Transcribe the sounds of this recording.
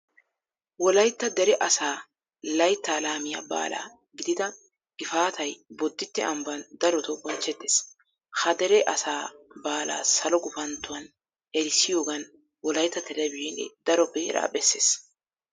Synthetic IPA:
wɔlɐjt̪ːɐd̪ɛɾɛʔɐsaː | lɐjt̪ːaːlaːmɪja̰ːba̰ːla̰ː | ɡɪd̪ɪd̪ɐ | ʔɪfaːt̪ɐjbɔd̪ːɪt̪ːɛ̰ɐmbɐnd̪ɐɾɔt̪ɔbɔnt͡ʃːɛt̪ːeːs | hɐd̪ɛɾɛʔɐsaːbaːla̰ːsɐlɔɡʊfɐnt̪ːʊwɐn | ɛɾɪsːɪjo̞ːɡɐn | wɔlɐjt̪ːɐt̪ɛɾɛbɪnɛ̰d̪̥ɐɾɔpːɛɛ̰ɾa̰ːbɛsːḛːs

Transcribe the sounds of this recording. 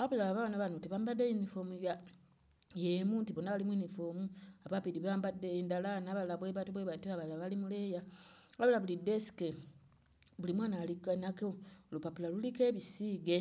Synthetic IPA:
aβulaβaβanaβanotiβaːmbadejinifomuja | jemuntiβonaβalimwiːnifoːmuaβapiɾiβaːmbadendalanaβalaβweβatuβweβatuaβalaβalimulejaaβulaβulidesi̥ke | βulimwaːnalikanakeolupapulalulikeːβisiɡe

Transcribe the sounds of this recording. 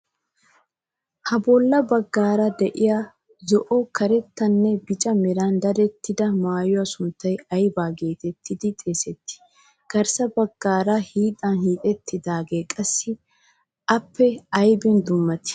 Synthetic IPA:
hɐbɔlːɐbɐɡːaːɾɐd̪ɛʔɪja | zɔʔɔkɐɾɛt̪ːɐnːɛbɪt͡ʃʼɐmɛɾand̪ɐɾɛt̪ːɪd̪ɐmaːjʊwɐsʊnt̪ːɐjɐjbaːɡe̞ːt̪ɛt̪ːɪd̪ɪt̪ʼeːsɛt̪ːɪ̥ | kɐɾsɐbɐɡːaːɾɐhiːt̪ʼɐnhiːt̪ʼɛt̪ʰːɪd̪aːɡe̞ːkʼɐsːɪ | ʔɐpːɛɐjbɪnd̪ʊmːɐt̪ɪ̥

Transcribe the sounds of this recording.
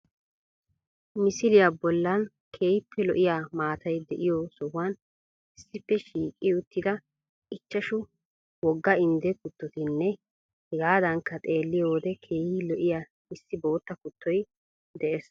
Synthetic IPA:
mɪsɪlɪjabɔlːɐn | kʰeːjɪpʰːɛlɔʔɪjamaːt̪ʰɐjd̪ɛʔɪjɔsɔwʊaːn | ɪsːɪpːɛʃiːkʼːɪjʊt̪ːɪd̪ɐ | ʔɪt͡ʃːɐʃʊ | wɔɡːɐɪnd̪ɛkʊt̪ːɔt̪ɪnːɛ | hɛɡaːd̪ɐŋkːɐt̪ʼe̞ːlːɪjoːd̪ɛkʰe̞ːhilɔʔɪja | ɪsːɪbo̞ːt̪ːɐkʊt̪ʰːɔj | d̪ɛʔes

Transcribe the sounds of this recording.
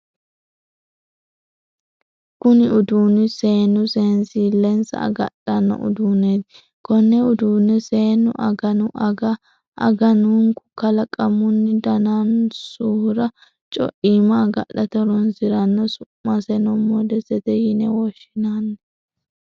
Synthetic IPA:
kʊnɪʊd̪uːnːɪse̞ːnːʊseːnsiːlɛnsɐ̰ɐ̰ɡɐ̰ɗɐnːɔ̰ʔʊ̰d̪uːned̪ | kɔnːɛʊd̪uːnːɛse̞ːnːʊ̰ʔɐ̰ɡɐnʊʔɐɡɐ | ʔɐ̰ɡɐnuːŋkʊ̥kɐlɐkʼɐmʊnːɪd̪ɐnansuːɾɐ | t͡ʃʼɔ̰ʔiːmɐːɡɐ̰ɗɐt̪ɛɾɔnsɪɾɐnːɔsʊmːɐsɛnɔmːɔd̪ɛsɛt̪ɛjɪnɛwɔʃɪnanːɐ

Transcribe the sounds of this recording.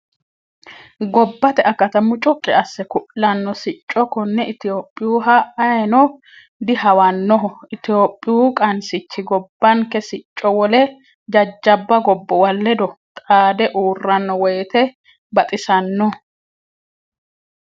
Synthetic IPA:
ɡɔbːɐt̪ɛʔɐkɐt̪ɐmʊt͡ʃʼʊkʼːɪɐsːɛkʊʔːɐnːɔsɪt͡ʃʼːɔkːɔnːɛʔɪt̪ɪjoːpʼːɪjuɦɐɐjɛnɔ | d̪ɪhɐwɐnːɔɦɔɪt̪ɪjoːpʼːɪjuːkʼɐnsɪt͡ʃːɪɡɔbːɐŋkɛsɪt͡ʃʼːɔwɔlɛ | d͡ʒɐd͡ʒːɐbːɐɡɔbːɔwɐlːɛd̪ɔt̪ʼaːd̪ɛʔuːrːɐnːɔwɔjt̪ɛ | bɐt̪ʼɪsɐnːɔ

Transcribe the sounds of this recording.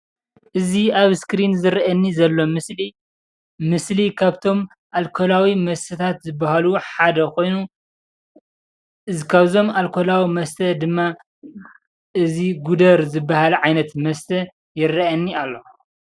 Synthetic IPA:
ʔɨziaβskɾinzɨɾɐʔɐnːizɐlːo̞mɨsli | mɨslikʰaβt̪ʰo̞m | ʔalkʰolawimɐst̪ʰɐt̪ʰat̪zɨbːahaluħad̪ɐkʰo̞jnu | ɨzikʰaβzo̞malkʰolawimɐst̪ʰɐd̪ɨmːa | ʔɨziɡud̪ɐɾzɨbːahalʕajnɐt̪mɐst̪ʰɐ | jɪrːɐʔɐnːialːo̞

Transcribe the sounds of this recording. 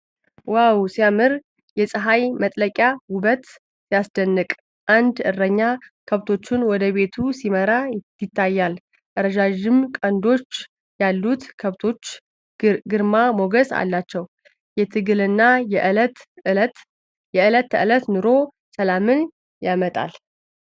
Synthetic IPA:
wawsijamɨɾ | jɛsʼɨɦajmət̪ʼləkʼjawʊbət̪ | sjasd̪ənːɨkʼ | ʔand̪ɨ̰rːəɲːakʰəβt̪ʰo̞t͡ʃːɪnwɔd̪əβe̞t̪ʰusiməɾa | jɪt̪ʰːajːal | ʔəɾəd͡ʒaʒɪmkʼənd̪o̞t͡ʃː | jalːut̪kʰəβt̪ʰo̞t͡ʃː | ɡɨɾmamo̞ɡəsa̰lːat͡ʃːɛw | jɛt̪ʰɨɡɨlɨnːajɛʔt̪ | jɛɨlət̪ʰːəɨlət̪nɨɾo̞ | səlamɨn | jamət̪ʼa̰l

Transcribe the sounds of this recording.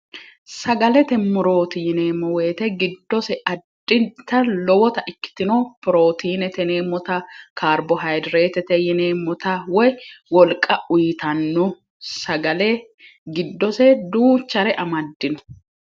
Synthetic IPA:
sɐɡɐlɛt̪ɛmːʊɾo̞ːt̪ɪjɪne̞ːmɔweːt̪ɛɡɪd̪ːɔsɛɐd̪ːɪnt̪ːɐlɔwɔt̪ɐʔɪkːɪ̥t̪ːɪnoːpʊɾo̞ːt̪iːnɛt̪ɛneːmːɔt̪ɐkʰaːɾbɔɦɐjd̪ɾeːt̪ɛt̪ɛjɪneːmːɔt̪ɐwɔjwɔlkʼːɐʊjɪt̪ɐnːʊ | sɐɡɐlɛ | ɡɪd̪ːɔsɛd̪uːt͡ʃːɐɾɛʔɐmɐd̪ːɪnɔ̥

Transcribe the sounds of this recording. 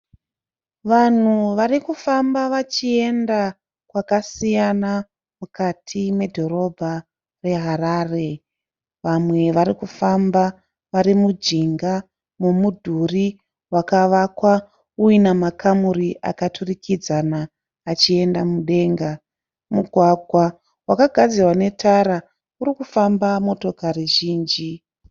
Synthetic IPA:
ʋan̤uʋarikufambaʋat͡ʃie̞nda | kwakasijana | mukatʰime̞dʱo̞ɾo̞bʱa | re̞ɦaɾaːre̞ | ʋamwe̞ʋaɾikufamba | ʋaɾimud͡ʒiŋɡa | mumudʱuri | wakaʋakwa | uinamakamuriʔa̰katʰurikʰid͡zanaː | t͡ʃie̞ndamuɗe̞ːŋɡa | muɡʱwaɡʱwa | wakaɡʱad͡zirwane̞tʰaɾa | uɾikufambamo̞to̞kariʒiːnd͡ʒi

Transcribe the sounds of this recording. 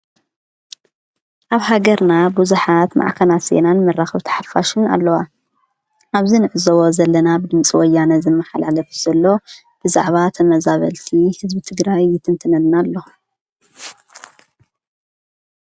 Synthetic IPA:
ʔaβhaɡɐɾnabuzuħat̪ma̰ʕkʰɐnase̞̰nanmɐrːaxɐβt̪ʰɐ̥ħafaʃɪna̰lːɐwa | ʔaβzinɨʔɨzowo̞zɐlːɐnabɨd̪ɨmt͡sʼiwɔjːanɐzɨmːɐħalalɐfu̥z̥ɐlːo̞ | b̥ɨza̰ʕβat̪ʰɐmɐzaβɐ̰lt̪ʰihɨzbit̪ʰɨɡɾajːɪt̪ʰɨnt̪ʰɨnɐlnalːo

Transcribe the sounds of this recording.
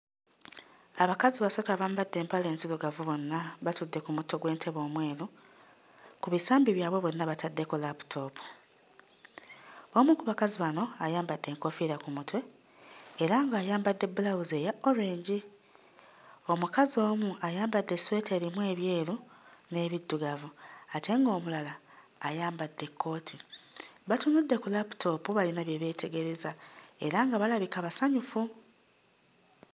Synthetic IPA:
aβakaziβasotaβaːmbadːe̞ːmpale̞nsiluɡavuβo̞nːaβatudːe̞kumuto̞ɡwe̞ːntʰe̞βo̞ːmwe̞ːlu | kuβisaːmbiβjaːβwe̞βo̞nːaβatʰadːe̞kolapu̥tʰo̞ːpu̥ | omukuβakaziβano̞ajaːmbadːe̞ːŋkofiɾakumutwe̞ | eɾaŋɡaːjaːmbadːe̞bulawuze̞jao̞ɾe̞ːɲɟi | o̞mukazio̞ːmuajaːmbadːeswe̞ːte̞ːɾimuwe̞ːβje̞ːlune̞ːβidːuɡavuate̞ːŋɡo̞ːmulalaː | jaːmbadːe̞kʰːo̞ːtʰiβatunudːe̞kulapu̥tʰo̞puβalinaβjeβe̞ːtʰe̞ɡe̞ɾe̞zae̞̰ɾaŋɡaβalaβikaβasaɲufu

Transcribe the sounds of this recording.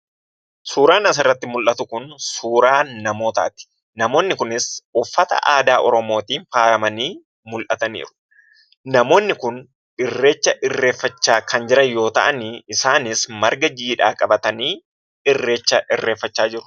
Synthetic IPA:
suːɾaːnɐs̬ɪrːɐt̪ːɪmʊlʔɐt̪ʊkʊnsuːɾaːnɐmo̞ːt̪a̰ːt̪ɪ̥ | nɐmo̞ːnːɪkʊnɪsʊfːɐt̪ɐ̰ʔaːd̪aːʔɔɾɔmo̞ːt̪iːnfaːɾɐmɐniː | mʊlʔɐt̪ɐnḭːɾʊ̥ | nɐmo̞ːnːɪkʊn | ɪrːe̞ːt͡ʃːɐʔɪrːe̞ːfːɐt͡ʃːaːkɐnd͡ʒɪɾɐjo̞ːt̪ɐʔɐnɪɪsaːnɪsmɐɾɡɐd͡ʒiːᶑaːkʼɐbɐt̪ɐniː | ɪrːe̞ːt͡ʃːɐʔɪrːe̞ːfːɐt͡ʃːaːd͡ʒɪɾʊ̥

